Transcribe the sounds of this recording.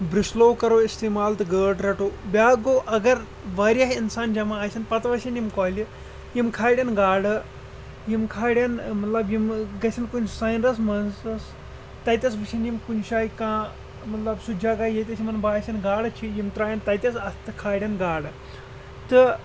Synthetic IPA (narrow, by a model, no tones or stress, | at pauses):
bɾisloːkɐɾoːist̪eːmaːlt̪ɨɡəːɖɾɐʈoːbʲaːɡoːʔɐɡɐɾ | ʋaːɾʲaɦinsaːnd͡ʒɐmaːsʲɐnpɐt̪ʋɐsʲinjimkɔːlʲi | jimkʰaːɽʲjɐnɡaːɽɨ | jimkʰaːɽʲɐnmɐt̪lɐbjimɡɐsʰʲɐnkunʲsaːjnɾɐsmɐnsɐs | t̪ɐt̪ʲɐs̬ʋɨsʰinjimkunʃaːikãː | mɐt̪lɐbsud͡ʒʱaːkaːjɐt̪ʲɐsʰʲimɐnbaːsʲɐnɡaːɽɨt͡ʃʰijimt̪ɾaːjɐnt̪ɐjt̪ʲɐsɐst̪ɨkʰaːɽʲɐnɡaːɽɨ | t̪ɨ